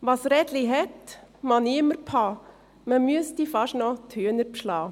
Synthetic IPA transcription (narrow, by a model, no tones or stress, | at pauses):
ʋɑsɾɛd̪liɦɛt̪mɑniɪməɾpʰɑː | məmyəstifɑʃnɔt̪ʰyənəɾpʃlɑː